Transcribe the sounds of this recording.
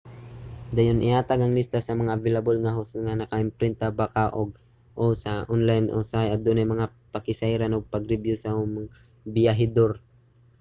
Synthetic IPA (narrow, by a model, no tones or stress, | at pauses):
d̪ajonʔɪhaːt̪aɡɐŋlɪst̪asɐmɐŋavɛlabolŋaɦosŋanɐkaʔɪmpɾɪnt̪abakaʔoɡ̚ | ʔosaʔonlajnʔosajɐt̪d̪ʊnajmɐŋa | pɐkɪsajɾanoɡ̚pɐɡɾɪbjʊsam | bɪjaɦɪd̪oɾ